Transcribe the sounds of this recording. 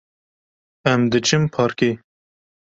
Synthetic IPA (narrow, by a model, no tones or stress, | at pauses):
æmd̪ɨt͡ʃʰɨmpʰɑːɾkeː